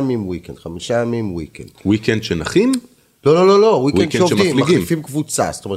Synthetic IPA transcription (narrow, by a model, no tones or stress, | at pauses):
amimwikend̥̪χamiʃajamimwikḛnd̥wikɛndʃenaχim | lo̞lo̞lo̞lo̞wikɛdovdimliɡifimkvut͡sa̰st̪ome̞